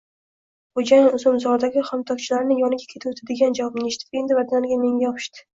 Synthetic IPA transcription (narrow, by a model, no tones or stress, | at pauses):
χod͡ʒajɪnʊzʊmzɒɾd̪aɡʲɪχɒmt̪ʰɒk̚ʲt͡ʃʰɪlaɾnɪjɒnɪɡʲakʲʰe̞t̪ʰɪot̪ʰad̪eɡʲand͡ʒavwɒbnɪeʃɪ̥t̪ʰɪpe̞nd̪ɪvaɾd̪anɪɡʲame̞ŋɡʲajɒpʰɪ̥ʃt̪ɪ̥